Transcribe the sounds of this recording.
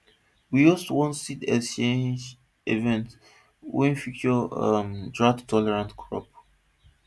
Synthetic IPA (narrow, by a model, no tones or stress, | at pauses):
wijɔstwɔ̃nsitɛst͡ʃẽnd͡ʒ | evɛ̃nt | wɛ̃nfikɔə̰mdɹadtʰːɔlɛɹãntkʰɹɔ̰p̚